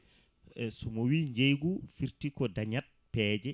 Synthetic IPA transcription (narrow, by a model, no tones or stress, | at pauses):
sɔmɔwiɲd͡ʒejɡufiɾtikɔdaɲat̚pɛːd͡ʒɛ